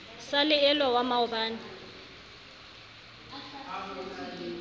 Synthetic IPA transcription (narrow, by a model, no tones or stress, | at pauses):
salɪɛlwawamaʊbaːnɪ